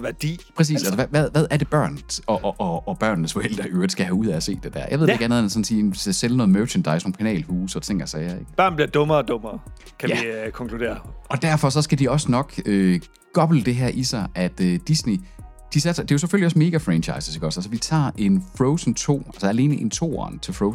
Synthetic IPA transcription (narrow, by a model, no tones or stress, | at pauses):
ʋæd̥ipʰʁɛs̬ḭːsælsɒʋæðˠʋæðˠæɐd̥e̝b̥ɶ̰ɐ̰nɒʔʔɒːb̥ɶɐ̰nnəsfɒ̽el̰d̥ʁɐʔøːɐd̥sɡ̥æhæuðˠæɒse̝̰ːd̥ed̥æɐ̰jɑ̰aɪʋeð̥ˠeɪɡæɐnoð̩ˠmænsɒ̽nsiːselnɔ̽ːð̩ˠmøɐɕend̥ɑ̈ɪsno̝ːnpʰænɛ̰ːlhuːsɒ̥t͡sʰe̝ŋ̰ɡ̥ɐsɛːɐeɡ̥b̥ɶɐ̰nb̥liɐd̥ɔ̽mɐd̥ɔ̽mɐː | kʰæjæikʰɒ̽ŋkʰlud̥e̝̰ːɐɒ̽d̥æɐfɒ̽sɒ̽sɡ̥æd̥iɒ̽sənɒ̽ɡ̥ø | ɡ̥ɒ̽b̥l̩əd̥e̝ɦæɐ̰ʔisɑ̈ɪʔæd̥ød̥isne | d̥isæd̥sd̥e̝jo̝seføliɒ̽sme̝ːɡ̥æfʁɛnt͡ɕʰɑ̈ɪsəseɡ̥ɒsælsɒʋit͡sʰɑ̰̈ːʔe̝nfʁɔʊsn̩t͡sʰo̝̰ːælsɐæle̝ːnəʔe̝nt͡sʰo̝̰ːɒ̰nt͡sʰe̝lfʁoʊs